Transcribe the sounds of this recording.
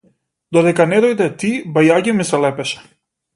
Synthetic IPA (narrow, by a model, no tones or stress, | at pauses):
d̪ɔd̪ɛkanɛd̪ɔjd̪ɛt̪ibajaɟʲimisɛlɛpɛʃɛ̥